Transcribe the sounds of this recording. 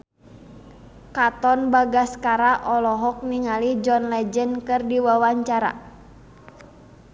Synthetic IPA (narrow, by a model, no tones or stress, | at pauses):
kat̪ɔnbaɡaskaɾaʔɔlɔɦɔk̚niŋalid͡ʒɔnlɛd͡ʒənkɨrdiwawaɲt͡ʃaɾa̰